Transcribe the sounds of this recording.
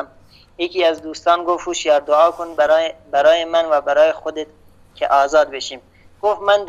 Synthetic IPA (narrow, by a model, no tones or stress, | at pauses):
m | jekʰiːæzd̪uːst̪ɑːnɡofhuʃjɑːɾd̪oɑːkʰonbɾbæɾɑːjemænvæbæɾɑːjexod̪et̪̚ | kʲʰḛʔɒːzɑːd̪beʃiːm | ɡ̥ofmænd̪